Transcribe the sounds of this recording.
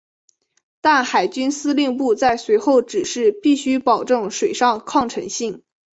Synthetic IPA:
t̪a˥˩nxa˨˩ɪt͡ɕy˥nsɹ̩˥li˥˧ŋpu˥˧t͡sa˥˩ɪswe˧˥ɪxo˥˩ʊʈ͡ʂɻ̩˨˩ʂɻ̩˥˧pi˥˩ɕy˥pɑ˨˩ʊʈ͡ʂɤ˥˩ŋʂwe˨˩ɪʂɑ˥˧ŋkʰɑ˥˩ŋʈ͡ʂʰɤ˧˥ŋɕi˥˩ŋ

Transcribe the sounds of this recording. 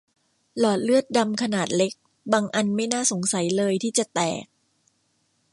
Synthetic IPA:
lɔː˨˩t̪̚lɯ˥˩ət̪̚da˧mkʰa˧naː˨˩t̪̚le˦˥k̚ | baː˧ŋʔa˧nma˥˩jnaː˥˩so˩˦ŋsa˩˦jlɤː˧jt̪ʰiː˥˩t͡ɕa˨˩t̪ɛ̰ː˨˩k̚

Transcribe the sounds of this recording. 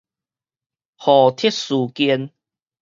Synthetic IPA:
hɔ˨˩t̪ʰi˦˥t̚su˨˩ki˧n

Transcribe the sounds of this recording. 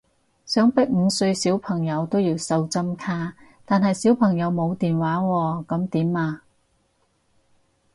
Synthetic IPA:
sœː˨˥ŋpɪ˥k̚ŋ̩˨˧sɵ˧ɥsiː˨˥wpʰɐ˨˩ŋjɐ˨˧wt̪o˥wjiː˧wsɐ˧wt͡sɐ˥mkʰaː˥ | t̪aː˨nɦɐ˨jsi˨˥wpʰɐ˨˩ŋjɐ˨˧wmo˨˧wt̪iː˨nwaː˨˥wɔː˧kɐ˨˥mt̪iː˨˥maː˧

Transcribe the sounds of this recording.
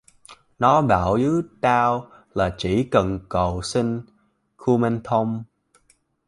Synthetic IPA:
nɔ˨˦ɓaː˧˩wzɨ˨˦t̪aː˧w | laː˨˩t͡ɕi˧˩kə˨˩nkə˨˩wsi˧ŋ̟ | kʰu˧mɛ˧nt̪ʰo˧wŋ͡m

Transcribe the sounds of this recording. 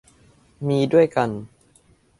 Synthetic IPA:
miː˧du˥˩əjka˧n

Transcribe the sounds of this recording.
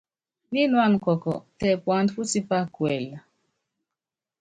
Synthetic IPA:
ni˦nwa˦˨n˨kɔ˨kɔ̰˨tɛ˨pwa˨ndfu˦si˦pa˦kwɛ˨la˨

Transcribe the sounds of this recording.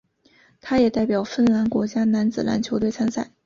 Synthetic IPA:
t̪ʰa˥jɛ˨˩t̪a˥˩ɪpjɑ˨˩ʊfə˥˩nla˧˥nkwɔ˧˥t͡ɕja˥na˧˥nt͡sɹ̩˨˩na̰˧˥nt͡ɕʰjo˧˥ʊt̪we˥˩ɪa˥nsa˥˩ɪ

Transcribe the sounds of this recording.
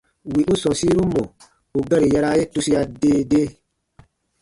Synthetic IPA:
wi˨ʔu˦sɔ̃˨si˦ɾu˦mɔ˨ | u˨ɡɛ˦ɾi˨jɛ˦˧ɾa˦je˦tu˧si˦a˧deː˦deː˦

